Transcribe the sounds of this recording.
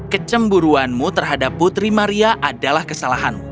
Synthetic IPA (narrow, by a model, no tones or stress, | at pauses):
kət͡ʃəmbuɾuanmut̪ərɦadapːut̪ɾimaɾiaʔadalahkəsalaɦan